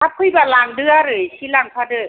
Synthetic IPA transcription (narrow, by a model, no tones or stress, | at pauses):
ap̚kʰubalaŋdɯɐɾɯːt͡ɕʰilaŋpʰaːdɯ